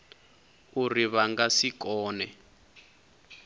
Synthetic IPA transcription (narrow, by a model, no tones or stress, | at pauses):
uriβaŋɡasikɔːnɛ